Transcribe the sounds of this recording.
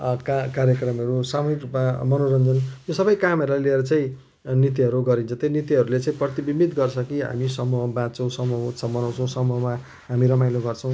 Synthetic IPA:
kakaɾjʌkrʌmʌɾusamuɦikamʌnoɾʌnd͡zʌnjosʌbʌjkamʌɾulalieɾʌt͡saĩ | nit̪iʌɾuɡʌɾint͡sʰʌt̪enit̪iɦʌɾulet͡saĩprʌt̪ibimit̪ɡʌrt͡ssʰʌkiɦa̰misʌmuɦʌbãt͡sʌ̃sʌmuʌut͡sʰʌbʌnaw̃t͡sʰʌ̃w̃sʌmuɦʌma | ɦamiɾʌmajloɡʌrt͡sʰʌ̃w̃

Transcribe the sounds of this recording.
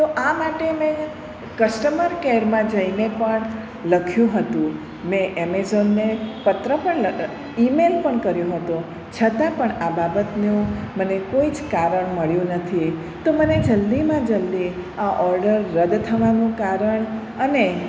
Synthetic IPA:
t̪oʔamaʈemɛ̃ | kəsʈəməɾkeɾmãd͡ʒəinepəɳ | ləkʰjũɦət̪ũ | mɛ̃ʔemezonːepət̪ɾəpəɳlə | imelpəɳkəɾjũɦət̪ũ | t͡ʃʰət̪ãpəɳababət̪nũmənekoid͡ʒkaɾəɳməɭjũnət̪ʰi | t̪oməned͡ʒəld̪imãd͡ʒəld̪iaʔɔɾɖəɾːəd̪t̪ʰəʋanũkaɾəɳ | əne

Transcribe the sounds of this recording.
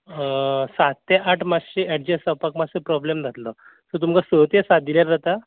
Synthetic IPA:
sat̪t̪eʔaʈʰmasɕeʔɛʈ̚d͡ʑesəwpakmassepɾɔblemd͡z̪ʱat̪lə | t̪ət̪̬umkasət̪esad̪iljaɾd͡zat̪a

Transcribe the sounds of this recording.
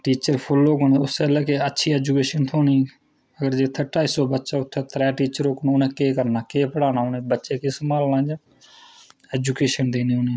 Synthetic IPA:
ʈiːt͡ʃəɾpʰolːoːkonʊselɛːkeətːʃʰiːɛːd͡ʒukeːʃənt̪ʰoːniː | əɡəɾd͡ʒeːt̪ʰəʈaːiːsoːbətːʃaːʊt̪ʰːeːt̪ɾɛːʈiːt͡ʃəɾoːknõʊnẽːkeːkəɾnaːkeːpəɽaːnaːonẽːbətːʃeːkeːsəmaːlnãːd͡ʒaː | eːd͡ʒukeːʃənd̪eːnĩːonẽː

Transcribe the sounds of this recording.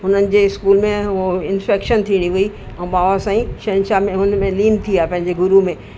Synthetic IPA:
ɦʊnənɪ̆d͡ʑeːɪskuːlmẽɦoɪnfeːkʃənt̪ʰiːɽ̃iʋʊi | ɛ̃ːɓaːʋasãːĩʃɐnʃamẽɦʊnmẽliːnt̪ʰiaːɦepɐ̃ɦɪ̃ɲd͡ʑeɡʊɾumẽː

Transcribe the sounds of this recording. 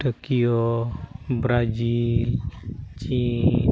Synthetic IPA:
ʈəkijo | bɾad͡ʒilt͡ʃi

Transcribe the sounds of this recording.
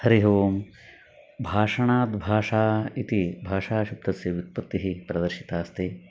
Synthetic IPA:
hɐɾiɦɐʋom | bʱaːʂɐɳaːd̪bʱaːʂaːit̪ibʱaːʂaːʃup̚d̪ɐsjɐʋut̪̚pɐt̪ːiɦipɾɐd̪ɐɾʃi̥t̪aːst̪i

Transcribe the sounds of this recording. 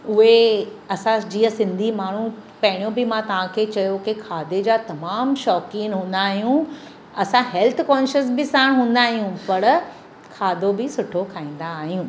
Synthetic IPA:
ʊɦeɐsãd͡ʑiːə̃sɪ̃nd̪ʱimaːɳ̤ũpɐɦɪɽ̃jõbɪmãt̪ɐʋ̤ãkʰeːt͡ɕɐjokɪkʰaːd̪ed͡ʑaːt̪ɐmaːmʃɔːkiːnɦũːn̆d̪aːɦijũ | ɐsãɦɛlt̪ʰkɔːnʃəs̬bɪsãːɪɽ̃ɦũːn̆d̪aːɦijũpɐɾ | kʰaːd̪obɪsʊʈʰokʰaːĩːn̆d̪aːɦijũː

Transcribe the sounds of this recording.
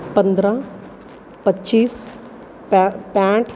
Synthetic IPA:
pə̃nd̪ɾã | pətːt͡ʃiːs | pɛ̃ːʈʰ

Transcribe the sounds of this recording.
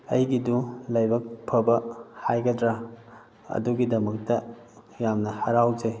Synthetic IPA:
ɐjɡidulɐjbɐk̚pʰɐbɐhajɡɐdɾa | ɐ̰duɡidɐmɐk̚tɐ | jamnɐhɐɾawd͡ʒe

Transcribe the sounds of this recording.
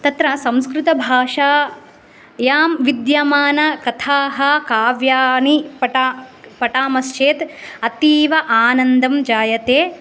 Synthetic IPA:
t̪ɐt̪ɾɐsɐ̃mskɾut̪ɐbʱaːʂaː | jaːmʋid̪jɐmaːnɐkɐt̪ʰaːɦɐkaːʋjaːnipɐʈapɐʈaːmɐst͡ʃeːt̪ɐt̪iːʋɐʔaːnɐnd̪ɐmd͡ʒaːjɐt̪eː

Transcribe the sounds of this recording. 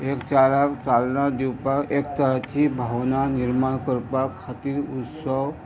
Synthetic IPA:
ekt͡ɕaɾakt͡salnad̪iwpakek̚t̪əɾat̪ʰibʱaʋnaniɾmaɽkəɾpakʰːat̪iːɾut̪səw

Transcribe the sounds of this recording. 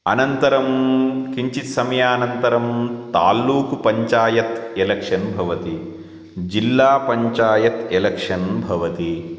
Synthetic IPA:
ɐnɐnt̪ɐɾɐmkiɲt͡ʃit̪sɐmɐjaːnɐnt̪ɐɾɐmt̪a̰ːlːuːkpɐɲt͡ʃaːjɐt̪elɐkʂɐnbʱɐʋɐt̪i | d͡ʒilːaːpɐɲt͡ʃaːjɐt̪elɐkʂɐnbʱɐʋɐt̪i

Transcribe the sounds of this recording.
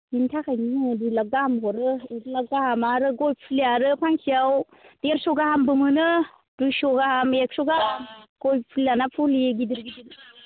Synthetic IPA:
intʰakʰajnidujlaɡ̚ɡahamɦɔɾɯedlaɡ̚dahamaɾɯɡɔjpʰiliaɾɯpʰaŋsiaw | d̥eɾsɔɡahambɯmɯnɯ | d̥ujsɔɡahamek̚sɔɡamɡ̥ojpʰilanapʰuliɡidɯɾɡidi

